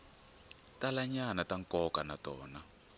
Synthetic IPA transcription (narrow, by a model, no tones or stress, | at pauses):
talaɲanataŋkɔkanatɔːna